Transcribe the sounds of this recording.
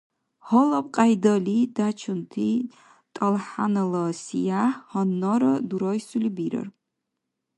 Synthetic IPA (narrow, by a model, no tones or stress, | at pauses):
hɔlɐp̚qʼajdɐlidat͡ʃʰɨntʰi | tʼɐlħa̰nɐlɐsḭjahhɐnːɔɾɐduɾɔjsulibiɾɐ̰r